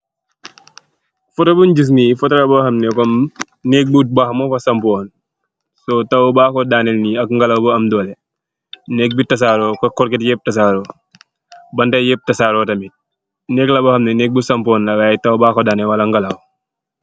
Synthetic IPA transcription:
fɔtɐbund͡ʒis̬nifɔtɐlɐbɐxɐmnɛkɔm | nɛk̚but̚bɐxmɔfɐsɐmpɔːn | sɔtɐwbaːkɔdaːnɛlniɐkŋɡɐlɐwbɐɐmdɔːlɛ | nɛk̚bitɐs̬aːɾɔkɐkɔɾkɛtjɛp̚tɐs̬aːɾɔ | bɐndɐjɛp̚tɐsaːɾɔtɐmit̚ | nɛklɐbɐxɐmnɛnɛk̚busɐmpɔːnlɐwajtɐwbaːkɔdaːnɛwɐlɐŋɡɐlaw

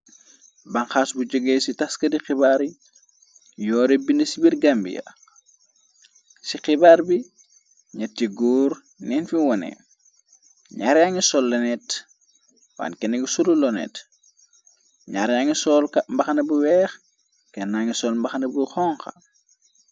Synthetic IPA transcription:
bɐŋxaːsbuɟɔɡɛːsitɐskɐdixibaːɾi | jɔːɾebindɐsibirɡambḭjɐ̰ | sixibaːɾbi | ɲɐtːiɡɔːɾ | nɛnfiwɔnɛ̰ | ɲaɾjaŋisɔlːɐnɛt | wa̰nkɛnɐɡisululɔnɛ̰t | ɲaɾaŋisɔlkmbɐxɐnɐbuwɛːx | kɛnːaŋisɔːlmbɐxnɐbuxɔːŋxɐ̰

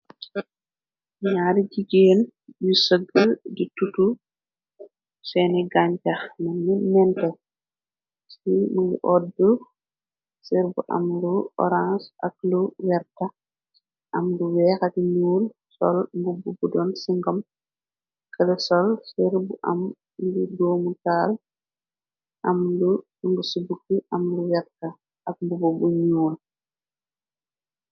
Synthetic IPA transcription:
ɲaɾiɟiɡeːn | bisəɡəlditutu | sɛniɡaɲt͡ʃaxnɐnːinɛntɛ | simuɡṵʔɔt̚du | siɾbuʔɐ̰mduɔ̰ɾãnsʔɐ̰k̚luwɛɾta | ʔɐmluwɛːxɐkɲuːl | sɔ̰lmbububudɔnsiŋɡɔm | kʰəlɛsɔlsiɾbuʔɐ̰m | dudoːmutaːl | ʔɐmlu | ŋɡusubukːiʔɐmluwɛɾtɐ | ɐk̚mbububuɲuːl

